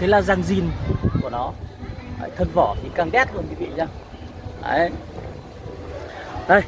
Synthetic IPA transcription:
t̪ʰe˨˦laː˨˩zaː˨˩ŋzi˨˩nku˧˩ənɔ˨˦ha̰ː˧˨jt̪ʰə˨˧˩nvɔ˧˩t̪ʰi˨˩kaː˨˩ŋɗɛ˦˥t̚hu˧ənki˨˦vḭ˧˨zaː˧˩ | a̰˨˧˦ | ʔə˧˩j

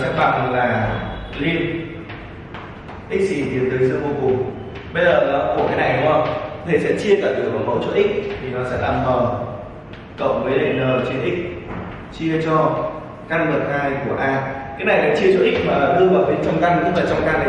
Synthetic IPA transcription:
sɛ̰˧˨˥ɓa̰˧˩ŋlaː˨˩li˧ən | ʔï˦˥k̚sḭ˧˩t̪i˨˩ənt̪əː˨˦jzəː˧mo˧kʊ˨˩ | ɓə˧jzəː˨˩laː˨˩ku˧˩kaː˨˦jna˨˩jɗʊ˧˦ə˧˩kt̪ʰe˧˩sɛ̰˧˥t͡ɕi˧əkaː˧˩ɗɨ˨˩ək̚vaː˨˩mə̰˧˦wt͡ɕo̰˧˥ʔï˦˥k̚t̪ʰi˨˩nɔ˨˦sɛ̰˧˥la̰ː˧˨˧mt̪ɔː˨˩n | kə̰˧˨wŋ͡mvəː˨˦jɗe˨˩nəː˨˩t͡ɕi˧nʔï˦˥k̚ | t͡ɕi˧ət͡ɕɔ˧ | ka˧nvə˨˩t̚haː˧jku˧˩əʔaː˧kaː˨˦jna˨˩jsɛ̰˧˥t͡ɕi˧ət͡ɕɔ̰˧˦˥ʔi˦˥maː˨˩˨ɗɨ˧vaː˨˩wɓe˨˦nt͡ɕɔ˧wŋ͡mka˧nkʊ̰˧˥vaː˨˩t͡ɕɔ˧wŋ͡mka˧n˨

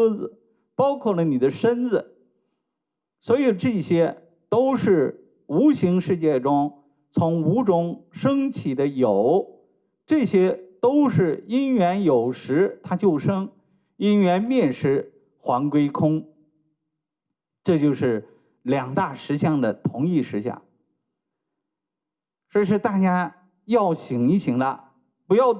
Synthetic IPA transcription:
d͡zɹ̩˩ | pɑ˥ʊkʰwɔ˥˩lə˩ni˨˩d̪ə˦ʂə˥nd͡zɹ̩˩ | swɔ˧˥i˨˩ʈ͡ʂɤ˥˩ɕjɛ˥ | t̪o˥ʊʂɻ̩˥˩ | u˧˥ɕi˧˥ŋʂɻ̩˥˧t͡ɕjɛ˥˩ʈ͡ʂʊ˥ŋ | t͡sʰʊ˧˥ŋu˧˥ʈ͡ʂʊ˥ŋʂɤ˥ŋt͡ɕʰi˨˩d̪ə˦jo˨˩˦ʊ | ʈ͡ʂɤ˥˩ɕjɛ˥t̪o˥ʊʂɻ̩˥˩i˥nɥɛ˧˥njo˨˩ʊʂɻ̩˧˥t̪ʰa˥t͡ɕjo˥˩ʊʂɤ˥ŋ | i˥nɥɛ˧˥nmjɛ˥˩nʂɻ̩˧˥ | xwa˧˥nkwe˥ɪkʰʊ˥ŋ | ʈ͡ʂɤ˥˧t͡ɕjo˥˧ʊʂɻ̩˥˩ | ljɑ˨˩ŋt̪a˥˩ʂɻ̩˧˥ɕjɑ˥˩ŋd̪ə˩t̪ʰʊ˧˥ŋi˥˩ʂɻ̩˧˥ɕjɑ̰˥˩ŋ | ʈ͡ʂɤ˥˧ʂ̬ɻ̩˥˧t̪a˥˩t͡ɕja˥ | jɑ˥˩ʊɕi˨˩ŋi˧˥ɕi˧˥ŋd̪ə˧ | pu˧˥jɑ˥˩ʊ

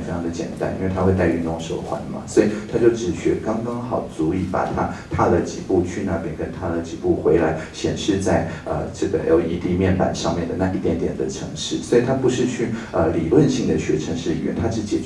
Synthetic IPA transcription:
fe˥jɑ˧ŋd̪ə˨t͡ɕjɛ̰˨˩nt̪a̰˨˥˩ni˥nwe˥˩ɪa˥xwe˥˧a˥˧ɪy˥˧˩nʊ˧˥ŋʂo̰˨˩ʊxwa̰˧˥nmɐ̰˨swɔ˧˥i˨˩t̪ʰa˥t͡ɕjo˥˩ʊʈ͡ʂɻ̩˨˩ɕɥɛ˧˥kɑ˥ŋkɑ˥ŋxɑ˨˩ʊt͡su˧˥i˨˩pa̰˨˩t̪ʰa˥t̪ʰa˥d̪ə˨t͡ɕi˨˩pu˥˩t͡ɕʰy˥˧na˥˩pjɛ˥nkə˥nt̪ʰa˥d̪ə˨t͡ɕi˨˩pu˥˩xwe˧˥ɪla˧˥ɪɕjɛ̰˨˩nʂɻ̩˥˧t͡sa˥˩ɪə̰˧˩ʈ͡ʂɤ˥˩ɡə̰˩jo̰˧˩ʊi˧˥t̪i˧˥mjɛ˥˩npa̰˨˩nʂɑ˥˧ŋmjɛ˥˩nd̪ə˩na˥˧i˥˩t̪jɛ˧˥nt̪jɛ˨˩nd̪ə˦ʈ͡ʂʰɤ˧˥ŋʂɻ̩˥˩swɔ˧˥i˨˩t̪ʰa˥pu˧˥ʂɻ̩˥˧t͡ɕʰy˥˩ə˧li˨˩lwə˥˧nɕi˥˩ŋd̪ə˩ɕɥɛ̰˧˥ʈ͡ʂʰɤ˧˥ŋʂɻ̩˥˩ḭ˨˩ɥɛ̰˧˥˦nt̪ʰa˥ʂɻ̩˧˥t͡ɕɛ̰˨˩

